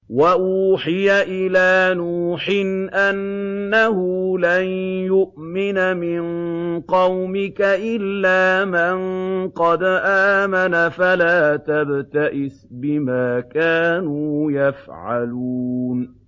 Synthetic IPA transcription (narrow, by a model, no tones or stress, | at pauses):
waʔuːħɪjaʔɪlaːnuːħɪnʔanːahʊlanjʊʔmɪnamɪnqɑwmɪkaʔɪlːaːmanqɑd̪ʔaːmanafalaːt̪abt̪aʔɪsbɪmaːkaːnuːjafʕaluːn